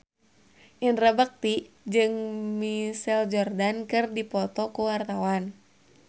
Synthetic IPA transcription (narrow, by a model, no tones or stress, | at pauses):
ʔinrabak̚t̪i | d͡ʒɨŋmisɛld͡ʒɔrdankɨrdipɔt̪ɔkuwart̪awan